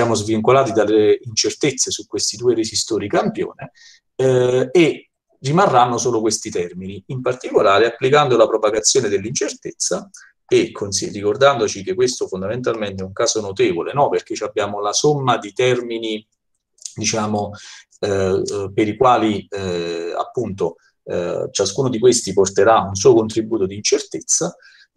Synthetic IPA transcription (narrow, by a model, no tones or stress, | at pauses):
sjaːmozviŋkolaːt̪id̪alːeint͡ʃert̪et̪sːesukːwest̪id̪uːeɾezist̪oːɾikampjo̰ːne | e | rːimarːanːosoːlokwest̪it̪ɛrminiimpart̪ikolaːɾeapːlikand̪olapɾopaɡat̪sːjoːned̪elːint͡ʃert̪et̪sːa | ekʰːonsirːikord̪and̪ot͡ʃikekːwest̪ofond̪ament̪alment̪ɛuŋkaːzonot̪eːvolenɔperk̟et͡ʃːabːjaːmolasomːad̪it̪ɛrmini | d̪it͡ʃaːmo | peɾikwaːli | a̰pːunt̪o̰ | t͡ʃaskuːnod̪ikwest̪iport̪eɾauns̬uːokont̪ɾibːuːt̪od̪iːnt͡ʃert̪et̪sːa